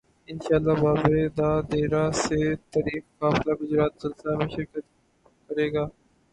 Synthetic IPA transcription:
ɪnʃaːlːabaːbed̪aːd̪eːɾaset̪ɐɾiːkkaːfɪlaɡʊd͡ʒɾaːt̪sɐlsɪlamẽʃɪɾkət̪ | kɐɾeːɡaː

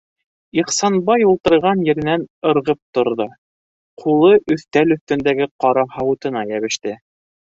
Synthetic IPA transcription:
iχsɑnbɑjulˠt̪ɤ̆ɾʁɑnjɘ̆ɾɘ̆nænɤ̆ɾʁɤp̚t̪ŏɾðɤ | qʰulˠɤʔɵ̆θt̪ælɵ̆θt̪ɵ̆nd̪æɡɘqɑɾɑhɑwɤ̆t̪ɤ̆nɑjæβɘ̆ʃt̪ɘ

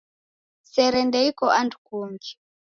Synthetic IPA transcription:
sɛɾɛndɛikɔʔandukumɡi

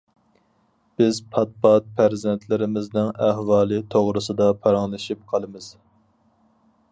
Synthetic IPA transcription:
b̥ɪzpʰɑt̪̚pɑt̪̚pʰæɾzɛnt̪ʰlɪɾɪmɪznɪŋæhwɑːlˠɨt̪ʰoʁɾɨsɨd̪ɑpʰɑɾɑŋlˠɨʃip̚qʰɑlˠɨmɨz̥

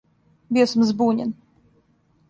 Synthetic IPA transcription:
bʲiɛsumzbuːɲʲɛ̰n

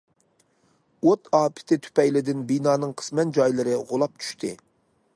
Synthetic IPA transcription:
ot̪ɑːpʰɪ̥t̪ʰɪt̪ʰy̥pɛjlɪd̪ɪnbinɑːnɨŋqʰə̥smɛnd͡ʒɑjlˠɨɾɨʁolˠɑp̚t͡ʃʰy̥ʃt̪ʰɨ̰

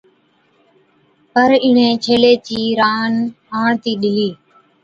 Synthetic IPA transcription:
pəɾɪɳẽːt͡ʃʰeːleːt͡ʃiːɾaːn | aːɳt̪iːɗɪliː

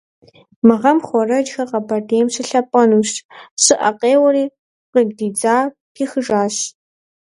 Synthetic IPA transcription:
mɨʁɐmχʷɔrɐd͡ʒxɐqɐbɐdeːmɕɨɬɐpʼɐnuːɕtsɨʔɐqeːwɐɾiː | qɪɡdiːd͡zaː | tʰiːxɨʒaːɕ

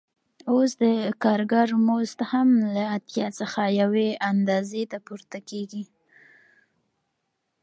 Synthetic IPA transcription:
osd̪əkɑɾɡaɾmost̪hamlaːt̪jɑt͡səxajaweand̪ɑzet̪apuɾt̪akeɡi

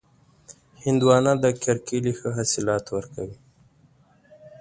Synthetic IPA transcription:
hɪnd̪wɑnad̪əkʰaɾkilixəɦasɪlɑt̪wəɾkawi

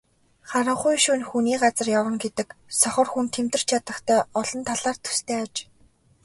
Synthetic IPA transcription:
χaɾə̆ɴχʊjʃuːnxuniːɢat͡sə̆rjawə̆ŋɡet̪ɘ̆ksɔχɞ̆rxunt̪ʰemt̪ɘ̆r̥t͡ɕʰat̪ə̆χt̪ʰœːɔɮɞ̆nt̪ʰaɮaːrt̪ʰːu̥st̪ʰeːat͡ɕ

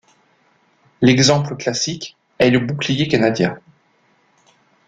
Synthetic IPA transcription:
lɛɡzɑ̃pləklasik | ɛləbuklijekanad̪jɛ̃

